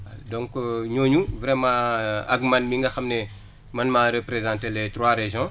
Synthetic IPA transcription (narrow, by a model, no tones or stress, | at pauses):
dɔ̃ŋkɲoːɲuvɾɛmãɐ̰ɡmɐnmiŋɡɐxɐmnɛ | mɐnmaɾepɾezãːntelɛtrwaɾeʒjɔ̃